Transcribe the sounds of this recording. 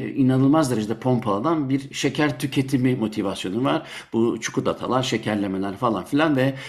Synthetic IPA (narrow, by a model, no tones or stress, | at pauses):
inanɯlˠmazd̪eɾed͡ʒed̪ɛpʰo̞mpʰalˠad̪anbiɾʃecʰæɾt̪ʰycʰe̞t̪ʰimimo̞t̪ʰivasjo̞nuvaɾ | b̥ut͡ʃʰu̥kʰud̪at̪ʰa̰lˠaɾʃe̞cʰæɾlʲe̞me̞lʲæɾfalˠanfilʲanvɛ